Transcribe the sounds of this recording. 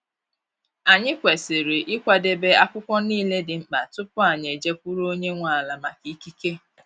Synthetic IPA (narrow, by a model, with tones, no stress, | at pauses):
a˨ɲɪ˦kʷe˨sɪ˨ɾɪ˨ʔɪ˦kʷa˨de˦be˦a˦kʷʊ˦kʷɔ˦niː˦le˦dɪ˨ŋ͡m̩˨k͡pa˨tʊ˦pʊ˦a˨ɲ˨e˨d͡ʒe˦kʷu˦ɾo˦ɲe˦ŋʷa˨a˨la˨ma˨ki˨˦ki˦ke˦